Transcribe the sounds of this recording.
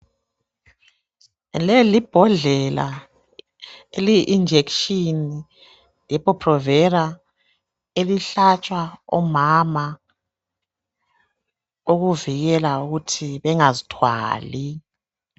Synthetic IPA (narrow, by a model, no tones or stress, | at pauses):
lɛlib̥ʱɔɮɛla̰ | eliʔːnd͡ʒʱekʃini | jɛpɔpʰrɔvɛɾa | eliɬat͡ʃʼwaɔ̰mama | oɣuviɣɛlauɣutʰiβɛŋazi̥tʰwa̰ːli